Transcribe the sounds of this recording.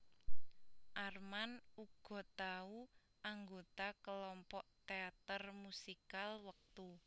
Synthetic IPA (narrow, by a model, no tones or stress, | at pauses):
ʔarmanuɡ̥ɔ̤t̪au | aŋɡot̪akəlɔmpɔʔt̪eat̪ərmusikalwək̚t̪u